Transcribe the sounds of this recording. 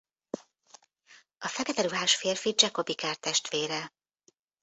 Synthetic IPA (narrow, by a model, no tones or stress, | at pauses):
ɒfɛkɛt̪ɛɾuɦaːʃfeːrfid͡ʒɛko̞bikaːrt̪ɛʃt̪ʋeːɾɛ